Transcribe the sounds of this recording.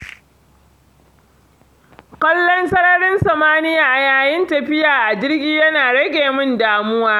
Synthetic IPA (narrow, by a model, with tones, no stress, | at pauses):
kʷɔ˦lːɔ˦nsɐ˦ɾɐ˦ɽɪ˦nsɐ˨maː˦nɪ˦jaː˨ʔa˨jaː˨jɪ˦ntɐ˨ɸɪ˦jaː˨ʔa˨d͡ʒɪ˦rɡʲiː˦jɐ˦naː˨ɽɐ˦ɡʲeː˨mʊ˦ndaː˦mʊ˦waː˦